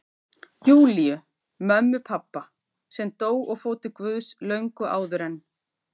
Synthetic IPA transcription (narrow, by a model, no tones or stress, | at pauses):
juːlijʏ | mœmːʏpʰapːa | sɛmt̪oːwɔɣfoːwt̪ɪkvʏːðslœɥŋkʏʔa̰ːwðʏɾɛnː